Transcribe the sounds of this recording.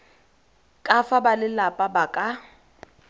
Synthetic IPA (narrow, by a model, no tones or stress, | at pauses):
kʼafabalɪlapʼabakʼa